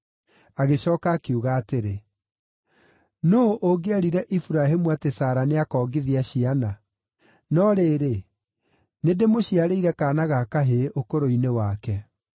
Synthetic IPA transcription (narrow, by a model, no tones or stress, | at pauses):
aɣeɕɔːkaːkeuɣaːteɾe | nooʔoɡeaɾiɾɛʔifuɾaɦemuatesaːɾaneakɔːɡeðiaɕiana | nɔɾeːɾe | nedemoɕiaɾeiɾɛkaːnaɣakaɦeʔokoɾoinewakɛ